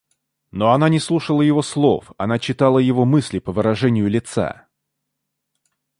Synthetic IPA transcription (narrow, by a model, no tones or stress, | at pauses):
noɐnanʲɪslˠuʂəlˠəjɪvo̞slˠo̞̰fɐnat͡ɕɪt̪alˠəjɪvo̞mɨsʲlʲɪpəvɨɾɐʐɛnʲɪjʊlʲɪt̪sa̰